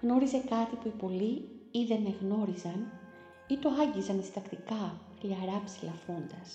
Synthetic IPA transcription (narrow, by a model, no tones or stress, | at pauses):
ɣno̞ɾize̞kɐt̪ipuipo̞liiðe̞ne̞ɣno̞ɾizɐn | it̪o̞ɐɲɟizɐnist̪ɐkt̪ikɐ | lɐɾɐpsilɐfond̪ɐs